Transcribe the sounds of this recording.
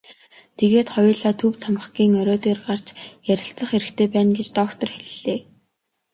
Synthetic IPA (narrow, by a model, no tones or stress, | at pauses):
t̪ʰeɣeːt̪χɔjʊːɮaːt̪ʰɵwt͡sʰamə̆χɡiːŋœɾʲɔːt̪eːrɢar̥t͡ɕjæɾʲɪ̆ɬt͡sə̆χeɾɘ̆kt̪ʰeːpæːnɡet͡ɕt̪ɔːkt̪ɞ̆rxeɮɮeː